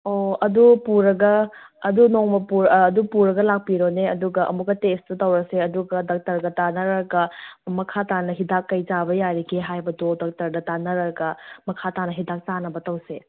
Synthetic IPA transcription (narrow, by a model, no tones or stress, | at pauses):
oɐdupuɾɐɡɐːdunoŋmɐpuɾːdupuɾɐɡɐlak̚piɾoneɐduɡɐʔɐ̰muk̚ːɐtestɐtɐwɾɐseɐduɡɐdɐk̚tɐɾɡɐtanɐɾɐɡɐmɐkʰatanɐɦidakːɐjzabɐjaɾikeɦajbɐdodɐk̚tɐɾdɐtanɐɾɐɡɐmɐkʰatanɐɦidak̚tanɐbɐtɐwse